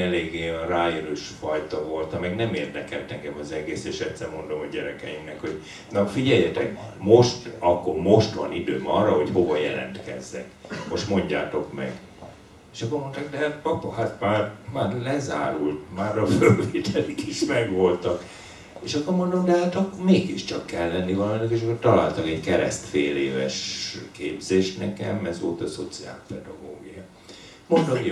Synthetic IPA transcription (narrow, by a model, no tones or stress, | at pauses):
ɛleːɡeraːjønuʃfɒjt̪ɒvo̞lt̪ɒmɛɡnɛmeːrd̪ɛkɛlt̪ɛŋɡɛmɒzɛɡeːseːʃɛt̪sɛrmo̞nd̪o̞moɟɛɾɛkɛjimnɛkho̞ɟ | nɒfiɟɛjːɛt̪ɛkmo̞ʃt̪ɒkːo̞rmo̞ʃt̪ʋɒ̰nid̪øːmɒːrːɒho̞cho̞vɒjɛlɛ̰nt̪kɛ̰zːɛ̰kmo̞ʃt̪mo̞ɲɟa̰ːt̪o̞kmɛ̰ɡ | eʃɒkːo̞ɾmo̞nt̪aːkɡd̪ɛhat̪̚pɒpːɒhat̪maːrmaːrlɛza̰ːɾult̪maːɾɒfølveːt̪ʰɛlikiʃmɛɡʋo̞lt̪ɒk | eʃɒkːo̞rmo̞nd̪omd̪aɦaːt̪okmeːɡiʃt͡ʃɒkːɛlːɛnːivɒlɒnokeːʃ̬ɒkːort̪ɒla̰ːlt̪ɒkɛɟkɛɾɛ̰st̪feːleːvɛʃkeːbzeːʃnɛkɛmɛzʋo̞̰lt̪ɒso̞t̪sia̰ːlpɛd̪ɒɡoːɡijɒ | mond̪om